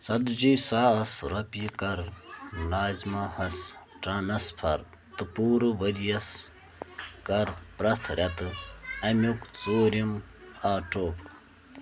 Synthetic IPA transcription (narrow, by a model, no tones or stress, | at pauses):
sɐd̪d͡ʒiːsaːɐsɾɐpikɐɾnaːzmahɐs | ʈɐnɐspʰɐɾ | t̪ɨpuːɾɨʋədijɐs | kɐɾpɾɐt̪ʰɾʲɐt̪ɨɐmʲukt͡soːɾim | aːʈoːp